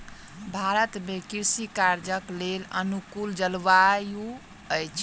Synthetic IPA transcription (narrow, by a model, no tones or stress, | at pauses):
bʱaɾət̪mekiɾsikaɾd͡ʒəklelənukuld͡ʒəlʋaju | əjt͡ʃʰ